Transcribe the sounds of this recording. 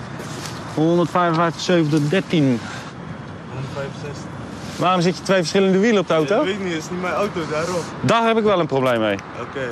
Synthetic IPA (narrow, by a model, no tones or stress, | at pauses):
hondətfɛjvənvɛjftəχsøɥvəntədɛrtin | nfɛjvɛs | ʋaːrɔms̬ɪtjətʋejfəɹsχɪləndəʋilənɔp̚dəawtoenisnimɛjawtodaːɾɔm | dɔhɛpɪkʋɛlˠənproblejmːej | oke